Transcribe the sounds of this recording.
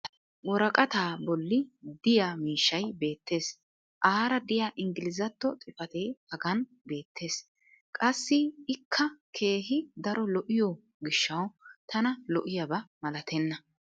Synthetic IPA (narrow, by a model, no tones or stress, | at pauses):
wɔɾɐkʼɐt̪aːbɔlːɪd̪ɪjaːmiːʃːɐjbe̞ːt̪ːe̞ːs | ʔaːɾɐd̪ɪjaːʔɪŋɡɪlɪzɐt̪ːɔt͡sʼɪfɐt̪eːhɐɡɐn | be̞ːt̪ʰːe̞ːs | kʼɐsːɪɪkʰːɐkʰe̞ːɦɪd̪ɐɾɔlɔʔɪjɔ | ɡɪʃːɐwt̪ʰɐnɐlɔʔɪjɐbɐmɐlɐt̪ʰɛnːɐ